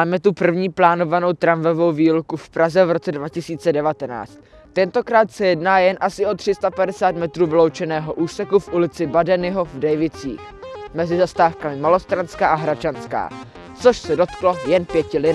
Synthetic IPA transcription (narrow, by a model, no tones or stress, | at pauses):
aːmɛt̪upr̩vɲiːplaːno̞vano̞wt̪ɾaɱvɛvo̞wviːlukufpɾazɛvɾo̞t͡sɛdvacɪsiːt͡sɛdɛvat̪ɛna̰ːt͡st̪ː | ɛnt̪o̞kɾaːt̪sɛjɛdnaːjɛnʔasɪʔo̞t̪r̝̥ɪst̪apadɛsaːt̪mɛt̪ɾuːvɪlo̞wt͡ʃɛnɛːɦo̞ʔuːsɛkufʔulɪt͡sɪbadɛnɪɦo̞vdɛjvɪt͡sḭːx | mɛzɪzast̪aːfkamɪmalo̞st̪ɾanskaːʔaɦɾat͡ʃanska̰ː | t͡soʃsɛdo̞t̪klo̞jɛnpjɛcɪlɪ